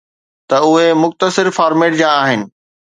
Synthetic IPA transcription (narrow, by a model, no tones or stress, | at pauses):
t̪ɐʊɦemʊxt̪əsɪɾfaːɾmeːʈd͡ʑãːaːɦɪnɪ̆